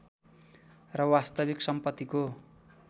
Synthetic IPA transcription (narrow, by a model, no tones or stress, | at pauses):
rʌwast̪ʌbiksʌmpʌt̪ːiko